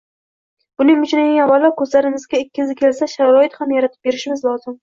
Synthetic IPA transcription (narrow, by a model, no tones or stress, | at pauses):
b̥ʊnɪŋmʊt͡ʃnɪnɪŋavalːaɾkʰɵzlaɾɪmɪzɡʲaɪkʲːɪzɪkʲʰe̞lsaʃaɾɒɪt̪hamjaɾat̪ʰɪp̚be̞ɾɪʃmɪzlˠɒzɪm